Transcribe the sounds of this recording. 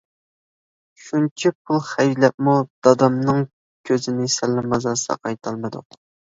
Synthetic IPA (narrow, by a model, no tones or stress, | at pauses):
ʃunt͡ʃʰipʰulˠχæjlɛp̚mud̪̥ɑd̪ɑmnɨŋ | kʲʰøzɪnɪsɛlːɪmɑzɑsɑ̰qʰɑjt̪ʰɑlˠmɨd̪ʊ̰q